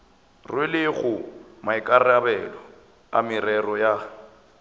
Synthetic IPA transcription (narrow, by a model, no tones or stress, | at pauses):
rwɪlɪɣʊmaɪkʼarabɛlɔ | amɪrɛrɔja